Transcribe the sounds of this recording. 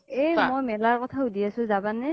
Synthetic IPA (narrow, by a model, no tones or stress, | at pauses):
ɛmojmɛlaɹkɔtʰaudiasʊ̃zabanɛ